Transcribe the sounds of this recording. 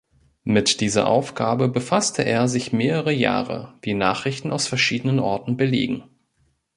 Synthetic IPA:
mɪtd̥iːzɐ̰ʔa̰ʊfɡ̥aːbəbəfastʰəʔeːɐzɪçmeːʁəʁəja̰ːʁə̰viːnaːχʁ̥ɪçtn̩aʊsfɛɐʃiːdənənʔɔɐtn̩bəlḛːɡŋ̩

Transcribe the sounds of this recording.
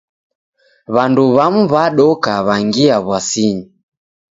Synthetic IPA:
βanduβamuβaɗɔkaβaŋɡiaβwasiɲi

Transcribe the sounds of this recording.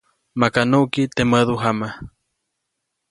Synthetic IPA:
makanukit̪eməðuɦama

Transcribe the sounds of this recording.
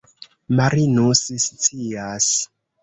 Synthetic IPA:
maɾinusist͡sias

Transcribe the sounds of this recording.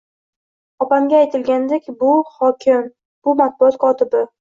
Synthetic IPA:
ɒpaŋɡʲaːjt̪ʰɪlɡʲand̪ekʲbʊhɒkʲʰɪm | b̥ʊmat̪̚bʊɒt̪̚kʰɒt̪ɪbɪ

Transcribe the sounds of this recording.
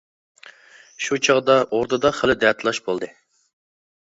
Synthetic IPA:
ʃut͡ʃʰɑʁd̪ɑʔoɾt̪ɨd̪ɑχəlɪd̪ɛt̪ʰlˠɑʃbolˠd̪ɨ

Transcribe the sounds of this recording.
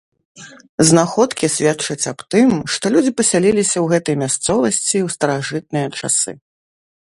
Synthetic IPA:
znaxɔt̪kʲisʲvʲatt͡ʂɐt͡sʲapt̪ɨmʂt̪ɔlʲud͡zʲipɐsʲalʲilʲisʲɐwɣɛt̪ɐjmʲast̪sɔvɐsʲt͡sʲiwst̪ɐɾaʐɨt̪̚nɨjɐt͡ʂa̰sɨ̰

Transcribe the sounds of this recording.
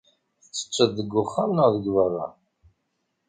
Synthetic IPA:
θə̥t͡sːə̥t͡ʃːəðːəɡːʊχːamnəʁðəɡvərˤːɑ̰

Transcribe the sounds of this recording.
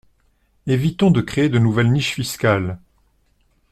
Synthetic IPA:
evit̪ɔ̃d̪əkχeːd̪ənuvɛlniʃfiskʲal

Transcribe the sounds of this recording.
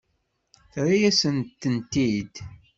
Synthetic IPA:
θɾijæsənt̪ːənt̪id̪

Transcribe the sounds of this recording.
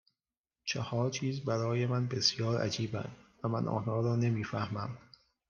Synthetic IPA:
t͡ʃʰehɒːɾt͡ʃʰiːzbæɾɒːje̞mænbe̞sjɒːɾʔæ̰d͡ʒiːbæ̰nd̪̥væmænʔɒ̰ːnhɒːɾɒːne̞miːfæhmæm

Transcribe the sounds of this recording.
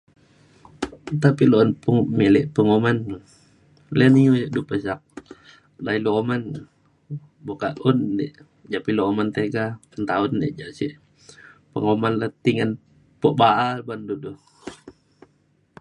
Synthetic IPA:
t̪apilonpuŋmelɛʔpəŋoman | lɛnijujʔdupəsak̚ | dailooman | bokaʔundɛ̰ʔ | d͡ʒapiloːmant̪eɡant̪aundeʔd͡ʒaʔsiʔ | pəŋomanlat̪iŋan | poʔbaʔalbandudu

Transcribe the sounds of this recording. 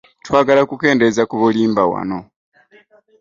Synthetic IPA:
twaːɡalakuke̞ːnde̞zakuβuliːmbawa̰no̞

